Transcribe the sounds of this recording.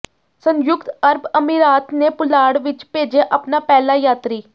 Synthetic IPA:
sənjʊkt̪əɾbəmiːɾaːt̪neːpʊlaːɽʋɪt͡ʃpeːd͡ʒeːʔapnaːpɛːlaːjaːt̪ɾiː

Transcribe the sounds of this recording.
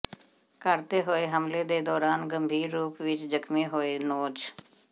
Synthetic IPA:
kəɾt̪eɦoeɦəmled̪eːd̪ɔːɾaːnɡəmbʱiːɾːuːpʋɪt͡ʃd͡ʒəkmẽɦoːenoːd͡ʒ

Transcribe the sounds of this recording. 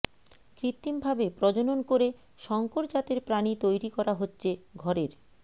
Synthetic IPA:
kɾit̪ːimbʱabepɾɔd͡ʑononkoɾe | ʃɔŋkoɾd͡ʑat̪eɾpɾanit̪ojɾikɔɾaɦotːɕʰeɡʱɔɾeɾ

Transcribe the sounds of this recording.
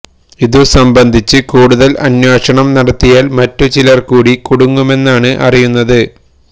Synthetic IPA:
iðusɐmbɐnd̪ʱit͡ɕːɨkuːɽuðɐlɐ̰njeːʂɐɳɐmnɐɽɐt̪ːijaːlmɐtːut͡ɕilɐrkuːɽikuɽuŋːume̞nːaːɳɨʔɐ̰rijunːɐðɨ

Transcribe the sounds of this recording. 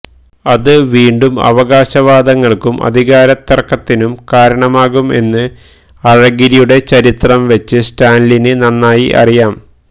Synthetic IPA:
ɐðɨʋiːɳɖumɐ̰ʋɐɣaːɕɐʋaːd̪ɐŋːɐɭkumʔɐ̰d̪ʱiɣaːɾɐt̪ːɐrkːɐt̪ːinumkaːɾɐɳɐmaːɣume̞̰nːɨ | ɐɻɐɡiɾijuɽe̞t͡ɕɐɾit̪rɐmʋet͡ɕːɨsʈaːnlinɨnɐnːaːjiʔɐ̰rijaːm

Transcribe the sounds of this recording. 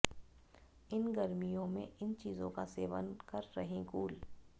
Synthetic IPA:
ɪnɡɐɾmijõmḛ̃ʔɪnt͡ʃiːzõkaseːʋə̰nkɐɾːɐɦẽkuːl

